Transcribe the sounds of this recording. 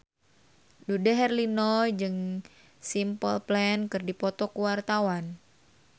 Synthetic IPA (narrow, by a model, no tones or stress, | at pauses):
dudaɦɛrlinɔd͡ʒɨŋ | simpəlplɛnkɨrdipɔt̪ɔkuwart̪awan